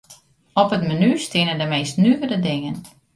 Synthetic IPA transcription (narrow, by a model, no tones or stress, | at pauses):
ɔpətmanystɪnədəmejstnykədədɪŋən